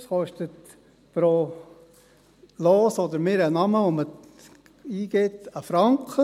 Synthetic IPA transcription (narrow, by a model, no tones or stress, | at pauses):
shɔʃtət̪ | pɾo | loːsɔd̪əɾmɪːɾənɑməʋomə | iːɡ̥et̪əfɾɑŋkχə